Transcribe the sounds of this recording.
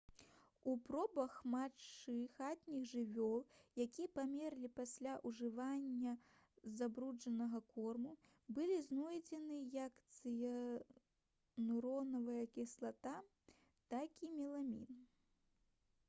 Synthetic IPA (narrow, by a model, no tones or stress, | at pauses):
upɾɔbɐxmat͡ʂːɨxat̪ʲnʲiɣʐɨvʲɔlˠjakʲijɐpamʲɛrlʲipasʲlʲaʔuʐɨvanʲːɐ | zabɾud͡ʐɐnɐɣɐkɔrmu | bɨlʲiznɔjd͡zʲɛnɨjɐkt̪sɨjɐ | nuɾɔnɐvɐjɐkʲɛslˠat̪a | t̪akimʲɛlˠamʲḭn